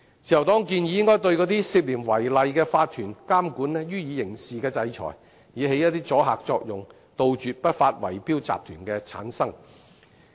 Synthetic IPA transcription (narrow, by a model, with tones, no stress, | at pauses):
t͡sʰi˨˩jwt̪ɔː˥ŋkiː˧njiː˨˧jɪ˥ŋkɔː˥jt̪̬ɵ˧ɥkɔː˨˥t̪iː˥siː˧p̚liː˨˩nwɐ˨˩jlɐ˨jkɛː˧faː˧t̚t̪ʰyː˨˩nkaː˥mkuː˨˥nlɛ˥jyː˥jiː˨˧jɪ˨˩ŋsiː˨kɛː˧t͡sɐ˧jt͡ʃʰɔ̰ː˨˩j | jiː˨˧ɦe˨˥jɐ˥t̚t̪iː˥t͡sɔː˨˥ɦa̰ː˨k̚t͡sɔː˧k̚jʊ˨ŋ | t̪o˨wt͡ʃyː˨t̚pɐ˥t̚faː˧t̚wɐ̰˨˩jpiː˥wt͡sa̰ː˨p̚t̪ʰyː˨˩nkɛː˧t͡sʰa̰ː˨˥nsɐ˥ŋ